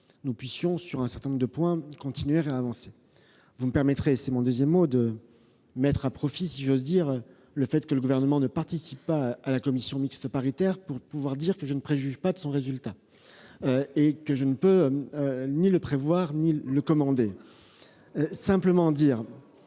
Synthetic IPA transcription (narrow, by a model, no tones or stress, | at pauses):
nupɥisjɔ̃syʁɛ̃sɛʁt̪ɛ̃nɔ̃ʁəd̪əpwɛ̃kɔ̃t̪inɥeʁeavɑ̃se | vuməpɛʁmɛt̪χesɛmɔ̃d̪əzjɛmːod̪ə | mɛt̪χapχɔfisiʒozd̪iʁø | ləfɛt̪kələɡuvɛʁnəmɑ̃nəpaʁt̪isipːaalakɔmisjɔ̃mikst̪əpaʁit̪ɛʁpuʁpuvwaʁd̪iʁkəʒənəpχeʒyʒpad̪əsɔ̃ʁezylt̪a | øekəʒənəpøøniləpχevwaʁniləkɔmɑ̃d̪e | øsɛ̃pləmɑ̃d̪iːʁ